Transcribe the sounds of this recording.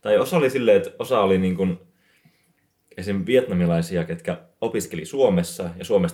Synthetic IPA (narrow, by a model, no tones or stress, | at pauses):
t̪ɑjosɑolisilːeːet̪osɑoliniːŋkun | esinʋiet̪nɑmilɑisiɑket̪kæ | opiskelisuomesːɑjɑsuomes